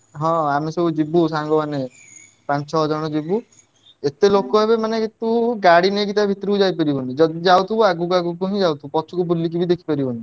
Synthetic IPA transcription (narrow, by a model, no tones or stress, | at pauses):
ɦɔ̃amesɔbud͡ʒibusaŋɡɔmane | pant͡ʃʰɔɦd͡ʒɔɽ̃ɔd͡ʒibu | et̪elokɔebemaneket̪uɡaɽineɡit̪abʱit̪ɾiud͡ʒajp̬eɾibɔnid͡ʒɔid͡ʒawt̪ʰubuaɡukuaɡuk̬uɦĩd͡ʒawt̪ʰupɔt͡ʃʰukubulːik̬ibid̪ekʰi̥paɾibɔni